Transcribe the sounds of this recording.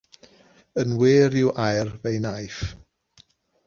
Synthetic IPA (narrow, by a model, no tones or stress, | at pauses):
ənweːɾɪwʔajrvejnajf